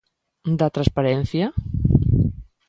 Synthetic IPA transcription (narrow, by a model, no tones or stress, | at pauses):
d̪ət̪ɾəspəɾɛnθjə